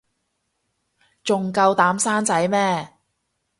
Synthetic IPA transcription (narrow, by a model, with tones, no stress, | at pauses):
t͡sʊ˨ŋkɐ˧wt̪aː˨˥msaː˥nt͡sɐ˨˥jmɛː˥